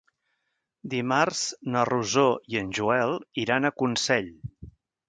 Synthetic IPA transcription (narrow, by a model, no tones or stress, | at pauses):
d̪imarz̥nəruzoiənʲʒuɛlˠiɾanəkunsɛʎ